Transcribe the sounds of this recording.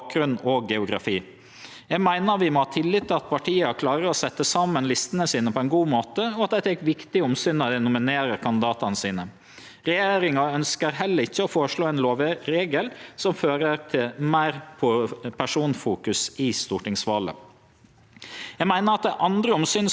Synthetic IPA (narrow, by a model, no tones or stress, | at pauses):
k̚ɾʉnɔɡɛʊɡɾɑ̰fiː | jæɡmæɪnəɾʋɪmɔhɑːt̪ʰɪlːɪt̪ːɪlɑt̪̚pʰɑʈʰiːɑkʰlɑːɾəɔsɛt̪ːəsɑmənlɪst̪ənəsiːnəpʰɔɛnɡuːmoːt̪əɔɑt̪̚d̪ɛt̪ʰɛkʋɪkt̪ɪɔmsyːnɑd̪ɛnʊmɪneːɾəɾkʰɑnd̪ɪd̪ɑːt̪ɑnəsiːnə | ɾɛjeːɾɪŋɑœnskəɾɦɛlːəɾɪçːəɔfoːɾʂɭoːɛnloːʋəɾeːɡəlsɔmføːɾəɾt̪ʰɪlmæɪɾpʰɔpʰæʂuːnfuːkʉsɪst̪uʈɪŋsʋɑːlə̰ | jæɪɡmæɪnəɾɑt̪̚d̪ɛʔɑnd̪ɾəɔmsyːn